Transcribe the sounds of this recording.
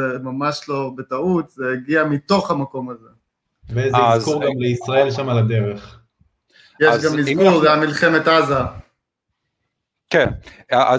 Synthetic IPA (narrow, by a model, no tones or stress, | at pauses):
emamaʃlo̞bet̪aut̪zeiɡiamit̪o̞χamako̞maze | veezzkuʁɡamleisʁae̞lʃamalad̪eʁeχ | jeʃzɡamizuʁveamilχemet̪aza | ken | aʔa